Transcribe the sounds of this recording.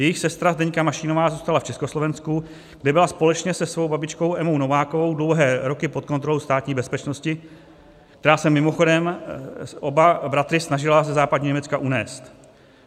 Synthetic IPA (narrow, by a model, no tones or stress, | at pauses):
jɛjɪxsɛst̪ɾazdɛɲkamaʃɪnovaːzuːst̪alaft͡ʃɛskoslo̞vɛnsku | ɡ̥dɛbɪlaspo̞lɛt͡ʃɲɛsɛsvo̞wbabɪt͡ʃko̞wʔɛmowno̞vaːkovo̞wdlowɦɛːɾo̞kɪpot̪̚kot̪ɾolowst̪aːt̪ɲiːbɛspɛt͡ʃnoscɪ | k̚t̪ɛɾaːsɛmːɪmo̞xo̞dɛm | ʔobabɾat̪ɾɪsnaʒɪlazɛzaːpadɲiːɲɛmɛt͡skaʔunɛːst̪